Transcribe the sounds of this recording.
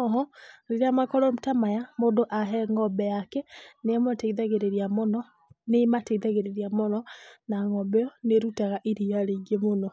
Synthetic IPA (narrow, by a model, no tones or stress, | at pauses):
ɔɦɔɾeɾeamakɔɾɔmtamajamoːndoʔaɦɛŋɔbɛjakɛneamɔteiðaɣeɾeɾiamɔnɔ | nemateiðaɣeɾeɾiamɔnɔnaŋɔbɛjɔneɾutaɣaʔiɾiaɾeɡemonɔ